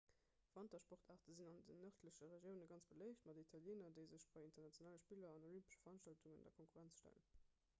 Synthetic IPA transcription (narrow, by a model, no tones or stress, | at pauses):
fɑntɑʃpoʁtʰaːʁtəzinɑndənːəχtʰləɕəʁeʒjəʊnəɡɑnt͡sb̥əlɜɪɕtmɑdəitʰɑljeːnɐdəɪzəʃb̥ɑɪintɐʁnɑt͡sjonaːləʃpiːlɐɑnəʁympə̥ʃə̥fɐʁɑnʃtɑltuŋəndɐkʰoŋkuʁænt͡sʃtæ̰lə̰n